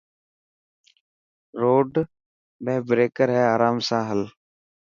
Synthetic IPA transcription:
ɾoːɖ | mẽːbɾeːkəɾɦɛːaːɾaːmsãːɦəl

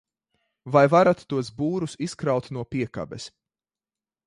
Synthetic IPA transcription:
vajvaɾat̪ːuɔsbuːɾusiskɾawt̪nuɔpiɛka̰bɛs

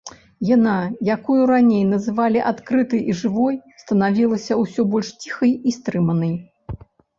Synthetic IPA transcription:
janajakujuɾanʲejnɐzɨvalʲiʔat̪kɾɨt̪ɨjʔiʐɨvɔjst̪ɐnavʲilˠɐsʲɐwsʲɔbɔlʲʂt͡sʲixɐjist̪ɾɨmɐnɐj

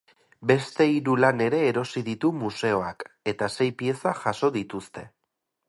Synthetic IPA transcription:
be̞st̪e̞iɾulane̞ɾe̞ːɾo̞siðit̪umuse̞o̞ake̞t̪ase̞jpie̞saʝaso̞ðit̪ust̪e̞

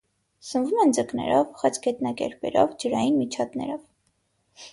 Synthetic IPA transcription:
sənvumɛnd͡zəknɛ̰ɾɔvχət͡sɡɛt̪nɑkɛ̰ɾpɛ̰ɾɔvd͡ʒəɾɑjinmit͡ʃʰɑt̪nɛ̰ɾɔv

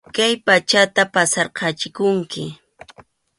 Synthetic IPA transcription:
kajpat͡ʃat̪apasɑɾqɑt͡ʃɪkʊŋkɪ

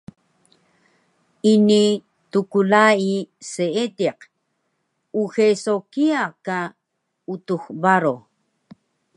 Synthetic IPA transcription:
ini | tukulaiseedeq | uxesokiaka | utuxbaɾo

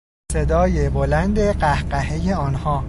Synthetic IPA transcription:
se̞d̪ɒːjebolænd̪eɢæhɢæhejeɒːnhɒː

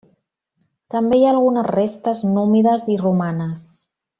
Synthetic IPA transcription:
t̪əmbejaːlˠɣunəzrest̪əznumiðəzirumanəs

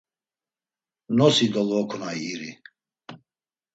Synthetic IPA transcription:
nɔsid̪ɔlɔkʰunajiɾi

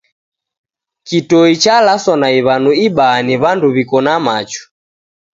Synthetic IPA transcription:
kitɔit͡ʃalasɔnaiβanuiɓaːniβanduβikɔnamat͡ʃu̥

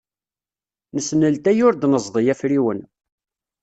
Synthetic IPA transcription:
nəsnəlt̪æjʊɾd̪nəzˤðˤijæfɾiwən

